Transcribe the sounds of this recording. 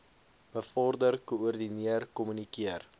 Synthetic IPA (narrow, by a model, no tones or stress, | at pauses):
b̥əfɔrdərkoɔrdiniərkɔmynikiər